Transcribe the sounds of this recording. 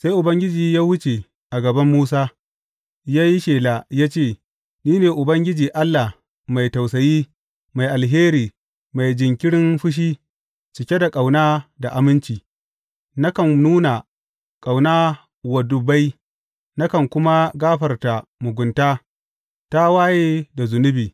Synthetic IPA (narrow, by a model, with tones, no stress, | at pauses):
sa˦jʔʊ˨bɐ˦ŋɡʲɪ˦d͡ʒiː˨jaː˦wʊ˦t͡ʃe˨ | ʔa˨ɡɐ˨bɐ˦mːuː˦saː˦ | jaː˦ji˦ʃeː˨la˨jaː˦t͡ʃeː˦˨ | niː˦neː˨ʔʊ˨bɐ˦ŋɡʲɪ˦d͡ʒiː˨ʔa˦lːa˨h | ma˨jta˨wsɐ˨jiː˦ | ma˨jʔa˨lɦeː˦ɾiː˨ | ma˨jd͡ʒɪ˨ŋkʲɪ˦ɽɪ˦nɸʊ˦ʃ̬iː˦ | t͡ʃɪ˨kʲe˦da˨kʼa˨wnaː˦da˨ʔa˨mɪ˦nt͡ʃiː˨ | na˦kɐ˨nnuː˦na˨ | kʼa˨wnaː˦ | wɐ˨dʊ˨ba˦j | na˦kɐ˨ŋkʷʊ˦ma˦ɡaː˦ɸɐ˨rta˨mʊ˨ɡʷʊ˨ntaː˦ | ta˦waː˦jeː˦da˨zʊ˨nʊ˦biː˨